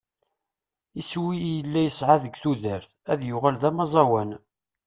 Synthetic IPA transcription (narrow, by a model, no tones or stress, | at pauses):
iswijəlːæjəsʕaðəɡʷθuðæɾθæðjʊʁælðæmɑzˤɑwæn